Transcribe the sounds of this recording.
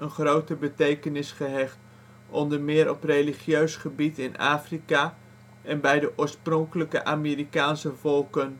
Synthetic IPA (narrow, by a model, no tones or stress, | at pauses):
ənχrowtəbətejkənɪsχəɦɛχt | ɔndəɹmɪːɾɔprejliχjøɥsχəbitɪna̰ːfrikaː | ʔɛnbɛjdəʔʊːɹsprɔŋkələkə̰ʔaːmiːɾikaːnsəvɔlˠkən